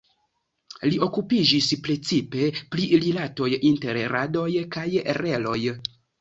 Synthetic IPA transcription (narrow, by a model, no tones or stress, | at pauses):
lio̞kupid͡ʒispɾe̞t͡sipe̞plililato̞jinteɾɾado̞jkajḛɾe̞lo̞j